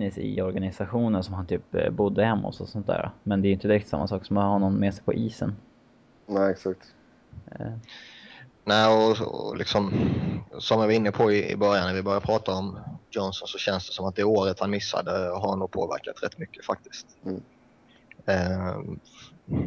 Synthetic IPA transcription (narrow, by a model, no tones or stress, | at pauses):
ɪsɪ̰ɔɾɡanɪsaɧuːnənsɔmhant̪ʰyːpbʊd̪ːəhɛmːɔ̰sɔsɔnt̪d̪æ̰ːɾa̰mɛnd̪ɛɾʏɪnt̪əd̪ɪɾɛkt̪t̪sa̰mːa̰sɑːksɔmanhanɔnmeːsɛjpʰɔ̰ʔiːsə̰n | næɛksak̚t̪ | næːɔ̰lʔɪ̰ksɔm | sɔmvɪvaɾɪnːəpʰɔɪɪ̰bœɾjanavɪbœɾjapʰɾɑːt̪aɔmjɔnsɔnsɔɕɛnsd̪ɛsɔmat̪̚d̪ɛoːɾət̪hanmɪsːa̰d̪əɦaɾanuːɡ̚pʰo̰ːvæ̰ɾkat̪ɾɛ̰t̪ːmʏkːə̥fak̚t̪ɪ̥skt̪ː